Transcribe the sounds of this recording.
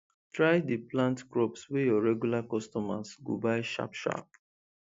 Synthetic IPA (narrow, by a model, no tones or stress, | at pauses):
tɹajdiplãntkɹɔpswɛjɔɹɛɡjulakɔstɔmasɡo̰baɪʃa̰pʃa̰p̚